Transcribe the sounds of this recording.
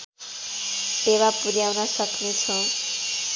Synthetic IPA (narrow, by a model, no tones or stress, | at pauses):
t̪eβapuɾjawnʌsʌknet͡sʰʌ̃w